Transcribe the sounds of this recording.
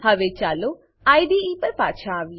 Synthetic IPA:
hɐʋet͡ʃaːlo | aːjɖiːiːpɐɾpaːʃʰaːʋi

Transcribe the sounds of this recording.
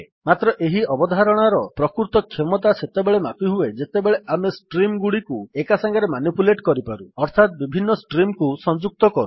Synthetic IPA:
mat̪ɾɔʔeɦiɔbɔd̪ʱaɾɔɽ̃aɾɔpɾɔkuɾt̪ɔkʰemɔt̪aset̪ebeɭemapiɦued͡ʒet̪ebeɭeʔamesʈɾimɡuɽikuekasaŋɡaɾemanipuleʈkɔɾipaɾuɔɾt̪ʰat̪̚bibʱinːɔsʈɾimkusɔnd͡ʒuk̚t̪ɔkɔɾṵ

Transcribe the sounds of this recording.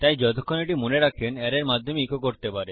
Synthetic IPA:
t̪ajd͡ʑɔt̪ʰokʰːoneʈimoneɾakʰenɛɾeɾmad̪ʱːomeikʰok̬oɾt̪epaɾe

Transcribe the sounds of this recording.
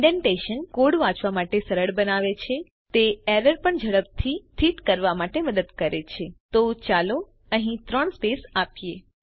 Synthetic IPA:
ɖẽɳʈeʃənkoɽʋãt͡ʃʋamaʈesəɾəɭbənaʋet͡ʃʰe | t̪eɛɾəɾpəɳd͡ʒʱəɽəb̚t̪ʰit̪ʰit̪kəɾʋamaʈeməd̪əd̪kəɾet͡ʃʰet̪ot͡ʃalo | əɦĩt̪ɾəɳspesapje

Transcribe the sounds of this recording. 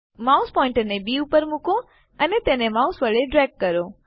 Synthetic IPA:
maːʊspɔ̃ːɪ̃ɳʈənẽbiːupəɾmʊkõ | ənet̪ẽːnemaːʊsʋɐɭeɖɾɛːk̚ːɐɾo

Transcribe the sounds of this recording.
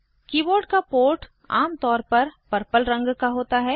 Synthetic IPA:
kiːboːɾɖkapoːɾʈ | aːmt̪ɔːɾpɐɾpɐɾpəlɾɐ̃ŋɡkaɦoːt̪aɦɛː

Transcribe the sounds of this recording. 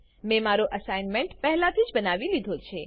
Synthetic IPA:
mẽmaɾoʔəsajnmeɳʈpɛɦlat̪ʰid͡ʒbənaʋilid̪ʱot͡ʃʰe

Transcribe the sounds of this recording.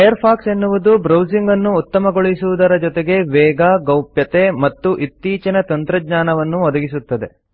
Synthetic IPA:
ɐjɐɾpʰaːkse̞nːuʋud̪ubɾɐwsiŋɡɐnːuːt̪ːɐmɐɡoɭisuʋud̪ɐɾɐd͡ʒɔt̪eɡe̞ʋɛːɡaːɡɐwpjɐt̪e̞mɐt̪ːuʔit̪ːiːt͡ʃɐnɐt̪ɐnt̪ɾɐɡɲaːnɐʋɐnːuʋɔd̪ɐɡisut̪ːɐd̪e̞

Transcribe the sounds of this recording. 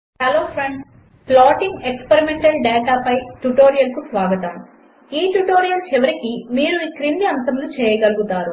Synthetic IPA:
heloːpʰɾeɳɖ | plaːʈiŋɡekspeɾimeɳʈɐlɖɛːʈaːpɐjʈuʈo̞ːɾijɐlkusʋaːɡɐt̪aːnu | iːʈuʈo̞ːɾijɐlt͡ʃɛʋɐɾikimiːɾuikɾinniɐnt̪ɐmlut͡ʃɛːjɐɡɐluɡut̪aːɾu

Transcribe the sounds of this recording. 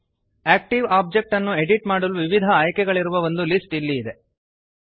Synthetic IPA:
æːk̚ʈiʋaːb̚d͡ʒek̚ʈɐnːue̞ɖiʈmaːɽuluʋiʋid̪ʱɐaːjkɛɡɐɭiɾuʋɐʋo̞nd̪ulisʈilːiːd̪e̞

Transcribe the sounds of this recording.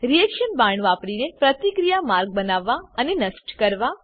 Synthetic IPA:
ɾijɛkʃənbãɳʋapɽinepɾət̪ikɾijamaɾɡ̚bənaʋːaənenəsʈkəɾʋa

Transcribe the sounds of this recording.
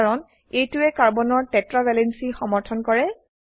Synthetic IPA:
ɹɔn | ejtʊɛkaɹbɔnɔɹtɛtɹabʱɛlɛnsixɔmɔɹtʰɔnkɔɹɛ

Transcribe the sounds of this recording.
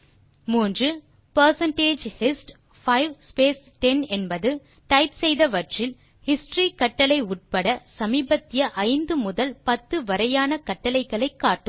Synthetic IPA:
muːndrɯ | pɐɾsɐɳʈeːd͡ʒhɪsʈ | fɐɪʋspeːs | ʈɛnɛnbɐðɯ | ʈɐɪpsɛjðɐʋɐʈrɪl | hɪsʈrikɐʈːɐlɐɪʊʈ̚pɐɽɐsɐmiːbɐt̪ːɪjɐʔɐɪnd̪ɯmʊðɐlpɐt̪ːɯʋɐɾɐjaːnɐkɐʈːɐlɐɪɣɐɭɐɪkːaːʈːɯm

